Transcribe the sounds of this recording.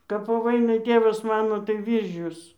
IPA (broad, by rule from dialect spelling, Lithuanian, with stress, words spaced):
kɐp poː ˈʋɐɪnɐɪ ˈtʲeːʋɐs ˈmɑːnoː tɐɪ ˈʋʲiːrʲʒʲʊs